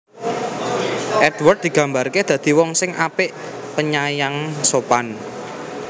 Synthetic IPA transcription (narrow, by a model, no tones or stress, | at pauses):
ʔɛdwərd̚d̥̪i̤ɡ̥ä̤mbarked̪̥ä̤d̪̥i̤wɔŋsɪŋʔapɪʔpəɲajaŋsopan